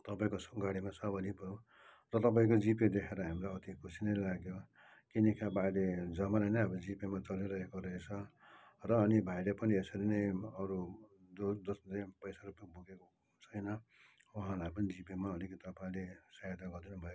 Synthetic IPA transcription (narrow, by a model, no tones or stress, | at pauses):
t̪ʌpaĩkosɡaɽimat͡sʰʌbʌnibʱʌju | rʌt̪ʌp̬aĩk̬od͡ziped̪ekʰeɾʌɦamɾaʌt̪ikʰusinʌjlaɡjo | kinikʰabailed͡zʌmalanʌjʌbʌd͡zipemat͡sʌliɾʌɦekoɾʌɦet͡sʰʌrʌːnibʱajɾepʌniesʌɾinʌjʌɾu | d̪od̪osʌpʌjsaɾupaibʱuɡeko | t͡sʰʌjnʌ | wuɦãlajpʌnid͡zipimaʌlikʌt̪ʌpaĩlesajad̪aɡʌrd̪inubʱʌjo